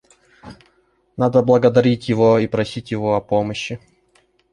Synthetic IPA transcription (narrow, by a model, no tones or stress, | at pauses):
nad̪əblˠəɡəd̪ɐɾʲitʲjɪvoipɾɐsʲitʲjɪvoɐpoməɕːɪ